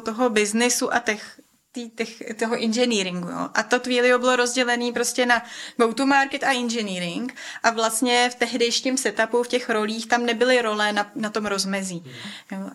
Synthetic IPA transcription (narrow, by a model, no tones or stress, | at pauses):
t̪oɦobɪznɪsuʔat̪ɛx | t̪iːt̪ɛxt̪oɦoʔɪnʒɛniːɾɪŋɡujo̰ːʔat̪oxviːlɪɦobɪlo̞ɾo̞zɟɛlɛniːpɾo̞scɛnabowt̪umaɾkɛt̪aʔɪnʒɛniːɾɪŋkʔavlast̪ɲɛft̪ɛɦdɛjʃiːmsɛt̪apufcɛxɾo̞liːxt̪amnɛbɪlɪɾo̞lɛnanat̪o̞mɾo̞zmɛziːjoː